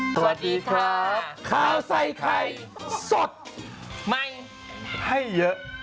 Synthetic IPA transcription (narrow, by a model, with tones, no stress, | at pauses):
sa˧˩t̪̚iː˧kʰlaː˧˦kʰaː˧˩wsa˧jkʰa˧jso˨˩t̪̚ | ma˥˩j | hʰa˥˩jːɤ˦˥ʔ